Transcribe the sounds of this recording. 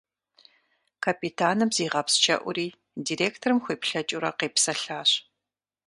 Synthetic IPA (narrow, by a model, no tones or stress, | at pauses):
kʰapʰitʰaːnɨbziːʁɐpst͡ʃʰɐ̰ʔʷʊɾiː | diːreːktʰɐrɨmxʷeːpɬɐt͡ʃʼuɾɐqeːpsɐɬaːɕ